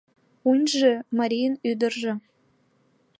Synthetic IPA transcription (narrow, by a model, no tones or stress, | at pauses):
unʲʒemɑɾʲijənyd̪ərʒĕ